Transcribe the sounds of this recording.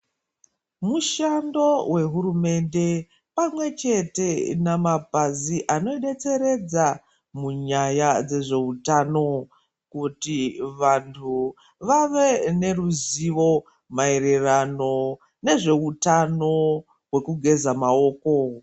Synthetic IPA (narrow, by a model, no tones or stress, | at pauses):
muʃando̞we̞ɦuɾume̞nde̞ | pamwe̞t͡ʃe̞te̞namapaziʔano̞eɗe̞t͡se̞ɾe̞d͡za | muɲajad͡ze̞ʐe̞utano̞ | kutiʋantʰu | ʋaʋe̞ne̞ruziʋo̞ | maere̞rano̞ | ne̞ʐe̞utano̞ | ɦwe̞kuɡʱe̞zamao̞ːko